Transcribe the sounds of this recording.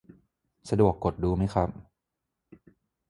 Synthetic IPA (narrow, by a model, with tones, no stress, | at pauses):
sa˧du˨˩əkːo˨˩t̪̚duː˧ma˦˥jxʰa˦˥p̚